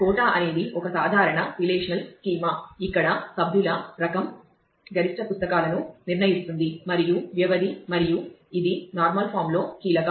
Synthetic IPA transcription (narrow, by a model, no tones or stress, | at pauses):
kɔːʈaːʔɐne̞ːd̪iʔɔkɐsaːd̪ʱaːɾɐɳɐɾileːʂɐnɐlskiːmɐikːɐɽɐsɐbʱjulɐɾɐkɐm | ɡɐɾiʂʈɐpust̪ɐkaːlɐnuniɾnɐjist̪und̪imɐɾijuʋjɐʋɐd̪imɐɾijuid̪inaːɾmɐlpʰaːɾmlo̞ːkiːlɐkɐ